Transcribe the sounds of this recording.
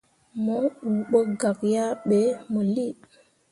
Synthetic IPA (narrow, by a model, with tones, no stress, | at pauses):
mo˨˦ɓu˨ɓo˦ɡa˨kja˦ɓe˨˦mo˨li˦˨